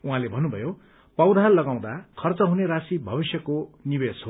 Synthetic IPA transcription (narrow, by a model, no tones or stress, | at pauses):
uɦãlebʱʌnːubʱʌjo | pʌwd̪ʱallʌɡaw̃d̪akʰʌrt͡sʌɦuneɾasibʱʌbisjʌkonibesɦo